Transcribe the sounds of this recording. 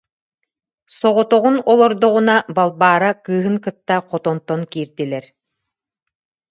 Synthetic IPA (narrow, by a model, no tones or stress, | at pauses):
sɔʁɔt̪ɔʁunɔlˠɔɾd̪ɔʁunabalˠbaːɾakɯːɦɯŋkɯt̪ːaqɔt̪ɔnt̪ɔnkiːɾd̪ilɛɾ